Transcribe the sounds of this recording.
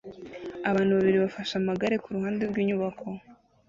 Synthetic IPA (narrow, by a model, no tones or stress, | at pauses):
aβaːnhuβaβiɾiβafaʃamaɡaɾe̞kuɾuhaːnde̞ɾɡwiːɲuβakʰo̞